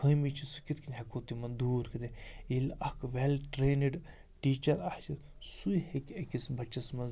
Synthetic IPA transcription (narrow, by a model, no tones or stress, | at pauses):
kʰəːmit͡ʃʰisu̥kit̪kinʲɦekoːt̪imɐnd̪uːɾkineilɐkʋelʈɾeːniɖ | ʈiːt͡ʃɐɾɐht͡ʃi | sujhekʲɐkisbɐt͡ʃɐsmɐn